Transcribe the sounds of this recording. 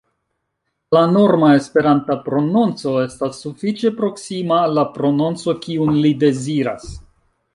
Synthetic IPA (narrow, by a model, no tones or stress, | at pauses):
lano̞ɾmae̞spe̞ɾantapɾo̞nont͡so̞e̞stasːufit͡ʃe̞pɾo̞ksimalapɾo̞nont͡so̞kiunlide̞ziɾa̰s